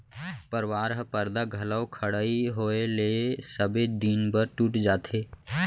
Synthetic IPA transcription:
pəɾwaːɾɦəpəɾd̪aɡʱɐləwkʰəɽaːiɦoːelesəbed̪iːnpəɾʈuʈd͡ʒaːt̪ʰeː

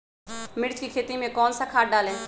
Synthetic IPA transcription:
mɪɽt͡ʃkikʰeːt̪imẽkɔːnsakʰaːɖaːlẽː

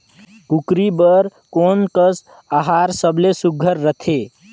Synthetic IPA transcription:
kukɾibəɾkoːnkəs | aɦaɾsəbʱlesuɡʱəɾːət̪ʰe

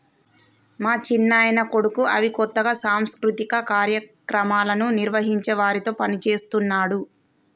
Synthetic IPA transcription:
maːt͡ʃinːaːjnɐko̞ɽukuʔɐʋikɔt̪ːɐɡaːsaːmskɾut̪ikɐkaːɾjɐkɾɐmaːlɐnuniɾʋɐɦiɲt͡ʃɛʋaːɾit̪o̞ːpɐnit͡ʃe̞ːst̪unːaːɽu

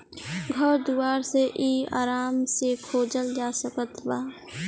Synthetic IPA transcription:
ɡʱəɾd̪uwaːɾseʔiːa̰ːɾaːmsekʰoːd͡ʒəld͡ʒaːsəkət̪baː

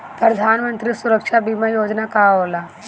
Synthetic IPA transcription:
pɾəd̪ʱanmənt̪ɾisuɾəkʂabimajod͡znakaɦola

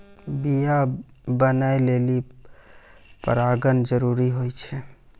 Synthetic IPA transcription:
bija | bənaeleːli | pə̰ɾaːɡənd͡ʒəɾuːɾiɦojt͡ʃʰɛ

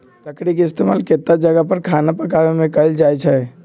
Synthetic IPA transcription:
ləkɽikeɪst̪eːmaːlket̪ːad͡ʒəɡəpɐɾkʰaːnapəkaːʋemẽkəld͡ʒaːjt͡ʃʰɛ

